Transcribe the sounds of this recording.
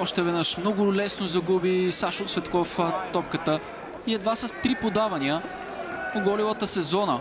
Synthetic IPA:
ɔʃt̪ɛvɛd̪nɤʃmnɔɡʊlɛsnozɐɡubisaʃʊksvɛt̪kɔft̪ɔp̚kət̪ə | iɛd̪vasət̪ɾipod̪avɐniə | oɡɔlivət̪əsɛzɔnə

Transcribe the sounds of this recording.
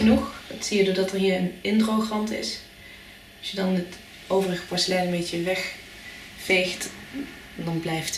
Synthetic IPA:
ənuχɑtsijədʊːɹdɑtəɹɦiːɹənɪntrowxrɑntɪ̰s | ɑsjədɑnət | owvərəχə̥pɔɹsəlɛjlənmbecəʋɛχ | fejχt | dɑnblɛjft

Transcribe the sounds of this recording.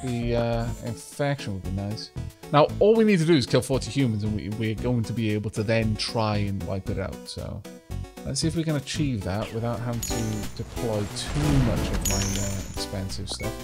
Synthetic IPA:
ðiʌɪ̰̃ɱfɛkʃə̃nwəd̚binaɪsnaʊɔːlˠwinid̚tʰədəɪz̥kʰɪlˠfɔˑtihjʉːmə̃nzə̃nwḭwiəɡoʊɪ̃ŋtʰəbieɪbəlˠtʰəðə̃ntʰɹ̥aɪə̃nla̰ɪk̚ðɪɾa̰ʊtso̰ʊ | lɛ̰tsiːɪfwikə̃nət͡ʃʰiːvðaʔwɪðaʊʔ̚ɦavɪ̃ŋtʰəd̥ɪpʰl̥ɔɪtʰuːmʌ̰t͡ʃəvmaɪʌɛ̰kspɛ̃nsɪv̥stʌf

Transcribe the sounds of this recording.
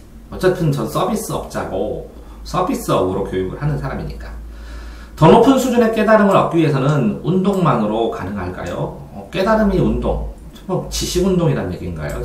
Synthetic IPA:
ʌt͡ɕ͈et͈ʰɯnt͡ɕʌns͈ʌbis͈ɯʌ̰p̚t͡ɕ͈a̰ɡo̰ | s͈ʰʌbis͈ɯʌbɯɾokjojuɡɯ̰ɭhanɯnsʰaɾamḭɲik͈a | tʌnopʰɯnsʰud͡ʑune̞k͈e̞daɾɯmɯɾʌ̰p̚k͈iiɦe̞sʰʌnɯnundoŋmaŋɯɾokanɯŋɦaɭk͈a̰jo̰ | ʌk͈e̞daɾɯmiundo̰ŋ | t͡ɕʰʌbʌt͡ɕiɕʰiɡundoŋiɾannɲje̞̰ɡinɡa̰ḛjo̰

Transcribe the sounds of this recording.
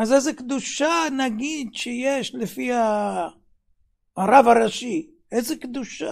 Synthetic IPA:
azezekd̪uʃanaɡid̪ʃejeʃlefiha | aɾavaɾaʃi | ezekd̪uʃa

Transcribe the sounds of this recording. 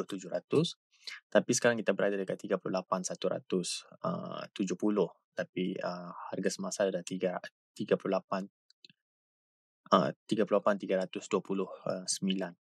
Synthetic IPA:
ʊht̪ud͡ʒʊhɾat̪ʊs | t̪apisə̥kaɾaŋkit̪abəɾadadəkat̪t̪ːiɡapululapansat̪uɾa̰t̪ʊsə̰t̪ud͡ʒʊhpulʊh | t̪apiəharɡasəmasadadat̪iɡa | t̪iɡapululapan | ʔə̰t̪iɡapululapant̪iɡaɾat̪ʊsduapulʊhəsəmilan

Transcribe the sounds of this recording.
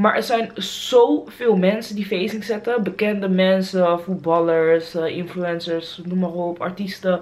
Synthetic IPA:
maːɹʔɛɹsɛjnz̥owvɪːlˠmɛnsəndifejsɪŋsɛtəbəkɛndəmɛnsəfut̚bɑləɹsɪnfluɛnsəɹsnumaroːpɑ̰ɹtistə

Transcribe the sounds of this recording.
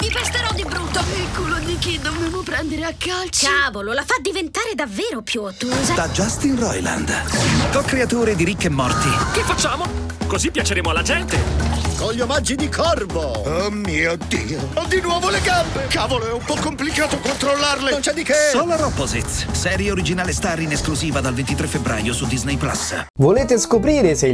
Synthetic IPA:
mipest̪eɾɔd̪ibɾut̪ːaekuːlod̪ikid̪objamopɾɛnd̪eɾeakːalt͡ʃaːvololafad̪ivent̪aːɾed̪avːeːɾopjut̪ːuzad̪ad͡ʒast̪inrɔjla̰nd̪k̪ɔkːɾeat̪oːɾed̪iɾikːemːɔ̰rt̪ikɪfːat͡ʃːaːmo | kozipːjat͡ʃeɾeːmoalːad͡ʒɛnt̪ekɔʎːiomad͡ʒːid̪ikʰɔrvoomːiːod̪iːoɔd̪inwɔːvoleɡambekaːvoloɛumpɔkːomplikaːt̪okont̪ɾolːarlenont͡ʃɛd̪ikesɔlaɾɔpːozet̪sɛːɾjeoɾid͡ʒinaːlest̪arːineskluziːvad̪alvent̪it̪ɾefːebɾa̰ːjosud̪ːiznɛjpla̰svoleːt̪eskopɾiːɾese

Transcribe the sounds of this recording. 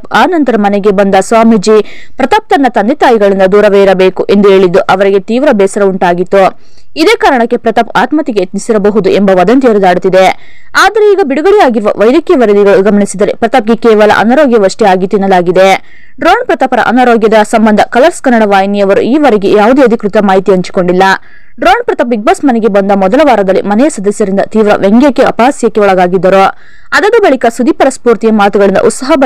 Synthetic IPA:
paːnɐnt̪ɐɾɐmɐneɡe̞bɐnd̪ɐsʋaːmid͡ʒi | pɾɐt̪ɐp̚t̪ɐnːɐt̪ɐnd̪it̪aːjiɡɐɭind̪ɐd̪uːɾɐʋeːiɾɐbeːkuʔe̞nd̪ueːɭid̪ːuʔɐʋɐɾiɡe̞t̪iːʋɾɐbɛːsɐɾɐuɳʈaːɡit̪ːu | id̪eːkaːɾɐɳɐkːe̞pɾɐt̪ɐpaːt̪mɐt̪iɡet̪nisiɾɐbɐɦud̪ue̞mbɐʋɐd̪ɐnt̪iɾud̪aːɽut̪ːid̪e̞ | aːd̪ɐɾeiːɡɐbiɽuɡɐɭijaːɡiɾuʋɐ̰ʋɐjd̪ikjɐʋɐɾɐd̪iɡɐɭuɡɐmɐɳisid̪ɐɾepɾɐt̪ɐp̚ɡe̞kɛːʋɐlɐ̰ʔɐ̰naɾoːɡjɐʋɐʂʈiaːɡit̪ːinːɐlaːɡid̪e | ɖɾoːɳpɾɐt̪ɐpɐɾɐ̰ʔɐnaɾoːɡjɐd̪ɐsɐmbɐnd̪ʱɐkɐlɐɾskɐnːɐɽɐʋaːjnijɐʋɐɾuiːʋɐɾeɡe̞jaːʋud̪eɐd̪ʱikɾut̪ɐmaːɦit̪iɐɲt͡ʃi̥ko̞ɳɖilːɐ | ɖɾoːɳpɾɐt̪ɐp̬ːiɡ̚bɐsmɐnɛɡe̞bɐnd̪ɐmɔd̪ɐlɐʋaːɾɐd̪ɐlːḭmɐnɛjɐsɐd̪ɐsjɐɾind̪ɐt̪iːʋɾɐ̰ʋeŋɡjɐkːeɐ̰paːsjɐkːeɔɭɐɡaːɡid̪ːɐɾo | ɐd̪ɐd̪ɐbɐɭikɐsud̪ipɐɾɐspuːɾt̪ijɐmaːt̪uɡɐɭind̪ɐ̰ʔut̪sɐɦɐbɐ

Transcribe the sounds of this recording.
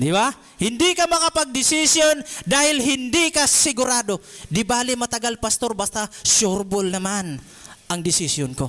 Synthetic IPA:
d̪iba | hɪnd̪ikamɐŋapɐɡ̚d̪ɪsisjond̪aːhɪlɦɪnd̪ikasɪɡʊɾaːd̪od̪ɪbaːlɪmɐt̪ɐɡalpast̪oɾbast̪asoɾbʊlnɐman | ɐŋd̪ɪsisjonko

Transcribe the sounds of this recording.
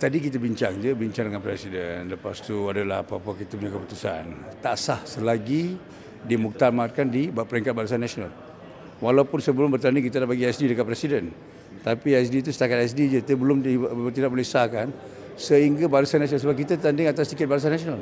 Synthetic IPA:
t̪adikit̪abiɲt͡ʃaŋd͡ʒəbiɲt͡ʃaŋdəŋanpɾɛsidənləpast̪uadala̰ha̰paapakit̪apuɲakəput̪usa̰nt̪aʔsahsəlaɡi | dimuk̚t̪amat̪̚kandibapəɾiŋkat̪̚baɾus̬anːasona̰l | walaupʊnsəbəlʊmbərt̪andɪŋkit̪̬adabaɡiɛsdidəkat̪̚pɾɛsidən | t̪apiasdit̪̬usə̥t̪akat̪ɛs̬did͡ʒət̪əbəlʊmdit̪idaʔ̚bolɛhsakan | səɦiŋɡabaɾəsanːasionals̬əbap̚kit̪at̪andɪŋat̪asdikɪt̪̚baɾəs̬anːasional

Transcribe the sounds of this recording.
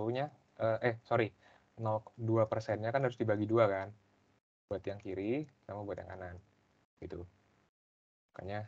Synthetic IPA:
ɲa | ʔəːʔɛhsoɾi | nɔk̚duapərsɛnɲakanɦaɾʊsdibaɡiduakan | buat̪jaŋkiɾisamabuat̪̚ja̰ŋa̰nan | ɡ̥it̪u | ka̰ɲa

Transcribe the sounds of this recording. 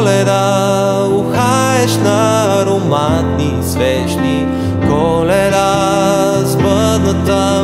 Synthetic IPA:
lɛɾa | uxa | ɛʃnɐ | ɾoma | t̪nisvɛʃni | kɔ | lɛɾa | zbə | nət̪ə

